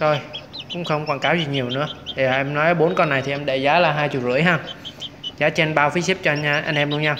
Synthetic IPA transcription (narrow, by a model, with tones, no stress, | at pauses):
t̪ʰo˧jkʊ̰˧˥ŋ͡mxə˧wŋ͡mkwaː˨˩ŋkaː˨˦wzi˨˩ɲi˨˩əwnɨ̰˧˥ə˨˩a˨˩ʔɛ˧mnɔ˨˦jʔəː˨˦ɓo˨˦nkɔ˧nːa˨˩jt̪ʰi˨ʔɛ˧mɗe˧˩zaː˨˦laː˨˩ɦaː˧jt͡ɕṵ˧˨t̚zɨ̰˧˩əjɦa˧ | zaː˨˦t͡ɕɛ˧nɓaː˧wfi˨˦si˦˥p̚t͡ɕɔ˧ʔa˧jŋ̟ʔɛ˧mlu˧əɲa˧